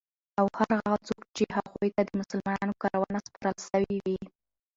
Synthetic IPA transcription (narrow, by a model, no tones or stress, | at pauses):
awhaɾɣaɣat͡sokt͡ʃehaɣojt̪ad̪əmʊsəlmɑnɑnokɑɾawɑnaspɑɾəlʃawiwi